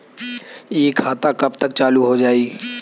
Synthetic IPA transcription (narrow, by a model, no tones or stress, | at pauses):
jeːkʰaːt̪akɐbt̪ək̚t͡ʃaːluɦod͡ʒaːi